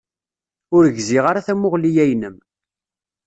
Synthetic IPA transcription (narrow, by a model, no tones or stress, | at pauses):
ʊɾəʝzɪʁaɾaθæmʊʁlijæjnəm